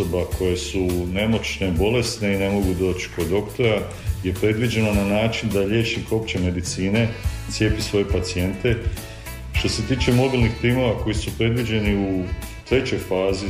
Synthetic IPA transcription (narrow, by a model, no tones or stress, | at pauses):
obakʰo̞je̞sune̞mo̞t͡ʃne̞bo̞le̞st̪ne̞ine̞mo̞ɡud̪o̞ːt͡ʃko̞d̪o̞kt̪o̞ɾa | je̞pɾe̞d̪ʋid͡ʑe̞nonanaːt͡ʃind̪aʎje̞ːʃimko̞pt͡ɕeme̞d̪it̪siːne̞t̪sje̞pisʋo̞je̞pat̪sie̞nt̪e̞ | ʃt̪o̞se̞t̪iːt͡ʃe̞mo̞bilˠnixpɾiːmo̞ʋako̞jisupɾe̞d̪ʋid͡ʑe̞niu | t̪ɾe̞t͡ɕo̞jfaːzi